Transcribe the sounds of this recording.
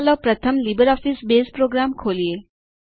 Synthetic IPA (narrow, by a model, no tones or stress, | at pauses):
lɔpɾɐt̪ʰəmlibəɾɔːfisbeːspɾoːɡɾaːmkʰoːlie